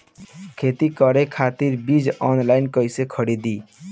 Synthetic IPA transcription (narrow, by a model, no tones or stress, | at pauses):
kʰet̪ikʌɾekʰat̪iɾbid͡ʒɔnlaɪnkəjsekʰəɽid̪i